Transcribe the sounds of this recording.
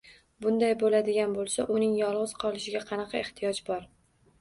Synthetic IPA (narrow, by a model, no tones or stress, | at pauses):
bʊnd̪ajbolad̪ɪɡʲanbolˠsaʔʊnɪŋjɒlˠʁɨz̥qʰɒlˠɪʃɪɡʲaqʰɑnɑqʰɑeht̪ʰijɒd͡ʒbɒɾ